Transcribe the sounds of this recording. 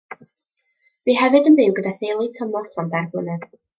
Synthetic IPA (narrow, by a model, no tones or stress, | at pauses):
b̥iːɦɛvɨdənbɪwɡədaθejlˠitʰəmɔrtandarblˠənɛð̥